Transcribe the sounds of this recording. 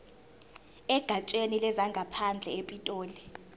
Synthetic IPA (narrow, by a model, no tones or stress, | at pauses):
ɛɡ̥ʱat͡ʃʼenilɛzaŋɡʱapʰand͡ɮʱɛepʼitʼoːli